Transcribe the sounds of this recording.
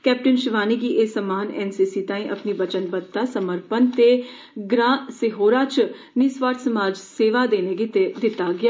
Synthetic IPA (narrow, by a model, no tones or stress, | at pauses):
kɛːp̚ʈɪnʃɪʋaːnikiʔeːsəmaːnɛːnsiːsiːt̪ãːĩʔɐ̰pnibət͡ʃənbət̪ːasəməɾpənt̪e | ɡɾãːseɦoːɾat͡ʃ | nisʋaːɾʈ̪səmaːd͡ʒseːʋad̪eːned̪ɪt̪aɡɪjaː